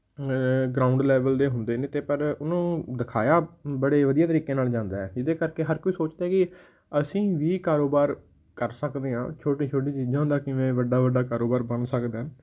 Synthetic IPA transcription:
ɡɾaːʊɳɖlɛːʋəld̪eːɦʊnd̪eːnẽːt̪eːpəɾʊnũːd̪ɪkʰaːjaːbəɽeːʋəd̪ijaːt̪əɾiːkeːnaːld͡ʒãːnd̪aːɛːd͡ʒɪd̪eːkəɾkeːɦəɾkoiːsoːt͡ʃd̪aːɛːkɪ | əsĩːʋiːkaːɾoːbaːɾ | kəɾsəkd̪eːɦã̰ːt͡ʃʰoːʈĩːt͡ʃʰoːʈĩːt͡ʃiːd͡ʒãːd̪aːkɪʋẽːʋəɖaːʋəɖaːkaːɾoːbaːɾbənsəkd̪aː

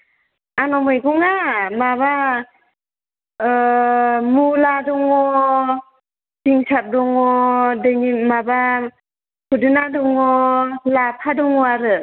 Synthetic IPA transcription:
anɔmɯjɡɔŋamaβa | muladɔŋɔ | diŋsap̚dɔŋɔdɯnimaba | kʰudɯnadɔŋɔlapʰadɔŋɔaɾɯ

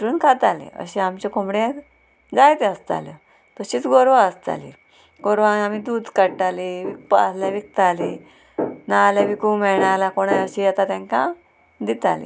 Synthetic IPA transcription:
ɾuːnkʰat̪alḛə̰ɕeamt͡ɕekomɽẽ | d͡zajt̪eəst̪a̰lə | t̪əɕiːt͡sɡoɾʋãəst̪a̰lḭ | ɡoɾʋãamid̪uːd̪kəɽʈaliʋik̚paslaʋik̚t̪ali | naleʋikumɛɭɳalakoɽ̃ajəɕijɛt̪at̪ɛ̃ŋkã | d̪it̪a̰lḭ

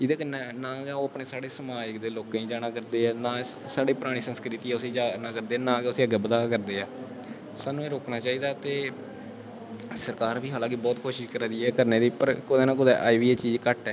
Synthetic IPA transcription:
ɪd̪eːkənenãːɡɛːoːaːpneːsaːɽeːsəmaːjəkd̪eːloːkãːĩːd͡ʒaːɽ̃ãːkəɾd̪eːɛːnãː | saːɖiːpəɾaːɽ̃iːsənskɾɪt̪iːɛːʊsĩːd͡ʒaːnaːkəɾd̪eːnãːɡɛʊsiːəɡɛːbəd̪aːkəɾd̪eːɛː | saːnũːeːɾoːknaːt͡ʃaːiːd̪aːt̪eː | səɾkaːɾbiːɦaːlãːkibɔːt̪kʰoːʃɪʃkəɾd̪iːɛːkəɾneːd̪iːpəɾkʊd̪eːnãːk̬ʊd̪ɛ̰ːʔaːiʋiːeːt͡ʃiːd͡ʒkəʈɛː

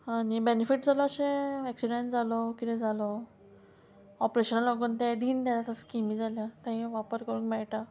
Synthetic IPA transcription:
aɽ̃ibenefiʈ̚d͡zalɔaɕẽɛksiɖeɳʈd͡zalɔkit̪ɛ̃d͡zalɔ | ɔpɾeɕənalɔɡuːnt̪ãd̪iːnd̪aɾat̪askimĩd͡zaljat̪ãɦĩʋapəɾkəɾũnmɛɭʈa

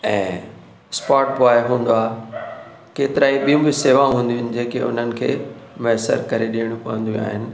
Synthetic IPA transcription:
ɛ̃ː | spaːʈ̚poaːeɦũːn̆d̪oaːɦe | keːt̪ɪɾaːĩɓijũbɪseːʋãɦũːnd̪jʊ̃nɪ̆d͡ʑẽːkeʊ̰n̤ənɪ̆kʰḛːmɐɦsə̰ɾkɐɾeɗiəɽ̃ũpɐʋə̃n̆d̪jṵ̃a̰ːɦɪnɪ̆

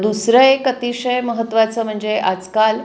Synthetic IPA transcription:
d̪usɾəjkət̪iɕəjməɦət̪ːʋat͡səm̤əɳd͡zeʔad͡zkal

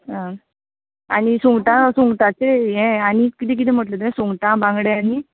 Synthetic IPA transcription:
ɦa | aɽ̃isuŋɡʈãsuŋɡʈat͡seẽaɽ̃ikit̪ik̬it̪̬iːm̤əʈləd̪ẽsuŋɡʈãbãŋɡɽeani

